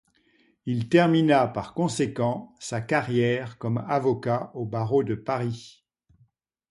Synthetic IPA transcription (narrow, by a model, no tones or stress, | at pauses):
ilt̪ɛʁminapaʁkɔ̃sekɑ̃sakaʁjɛʁkɔmavɔkaobaʁod̪əpaʁi